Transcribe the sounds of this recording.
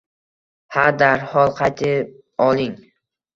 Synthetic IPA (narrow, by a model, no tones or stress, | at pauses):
haɾd̪aɾhɒlˠqʰɑjt̪ʰɪp̚ | ɒlˠɪŋ